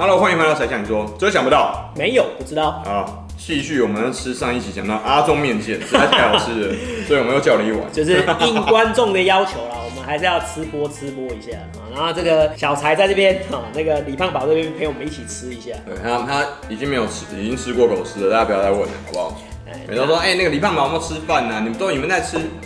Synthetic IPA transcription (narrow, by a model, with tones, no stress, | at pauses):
lxwa˥n˥˧wjʰa˧˥ɪɕjɑ˨˩ŋni˨˩swɔ˥t͡ɕo˧˩˥ɕɑ˨ŋpu˧˦t̪ɑ˥˨˩ʊme˨˧˥ɪjo˨˩ʊpu˥˩ʈ͡ʂɻ̩˥t̪ɑ˥˩ʊɐ˨˩ | t͡ɕi˥˧ɕy˥˩wɔ˨˩mə˦n˥˩ʈ͡ʂʰɻ̩˥ʂɑ˥˧ŋi˥˩t͡ɕʰi˨˥˩ɕjɑ˨ŋt̪ɑ˥˨˩ʊʔa˥t͡sʊ˥ŋmjɛ˥˧nt͡ɕjɛ˥˩˥a˥t͡ɕɑ˥˩˥sɔ˧˥i˨wɔ˨me˧˥jo˧˩t͡ɕjɑ˥˩ʊlə˧i˥˩wa̰˨˦nt͡ɕjo˥˧ʊʂ̬ɻ̩˥˧i˥˩ŋkwa˦˥nʈ͡ʂʊ˥˩ŋd̪ə˨jɑ˥ʊt͡ɕʰjo˧˥ʊlɐ˨wɔ˨˩mə˦nxa˧˥ɪʂɻ̩˥˧jɑ˥˩ʊt͡sʰɹ̩˥pwɔ˥t͡sʰɹ̩˥pwɔ˥i˧˥ɕja̰˥˩na˨˦ŋxo˥˧ʊʈ͡ʂɤ˥˩ɡə˨ɕjɑ˨˩ʊt͡sʰa˧˥ɪt͡sa˥˧ɪt͡sɤ˥˩pjɛ˥nɔ˥˨˩na˥˩ɡə˩li˨˩pʰa˥˩ŋpɑ˨˦n˥˩pjɛ˥pʰe˧˥ɪwɔ˨˩ə˦ni˥˩t͡ɕʰi˨˩t͡s̩ʰ˦˥i˧˥ɕja˥˩t̪wḛ˥˩ɪt̪ʰa˦t̪ʰa˦ | i˨˩t͡ɕi˦ŋme˧˥ɪjo˨˩ʊʈ͡ʂ̩ʰ˥ḭ˨˩t͡ɕi˦ŋʈ͡ʂʰɻ̩˥kwɔ˥˩kʰo˨˩ʊsʰɻ̩˥lə˩t̪a˥˩a˥pjɑ˥a˥˧ɪwə̰˥˨˩nə̰˨˩hɑ˨˦pa̰˧˩˨ḛ˥˩˨t̪e˥˧ɪna˥˩ɡə˨li˨pʰa˥ŋpjʰɻ̩˥fa˥˨na˩ni˨mə˦nt̪o˥ni˨˩ə˦nt͡sa˥˩ɪʈ͡ʂʰɻ̩˥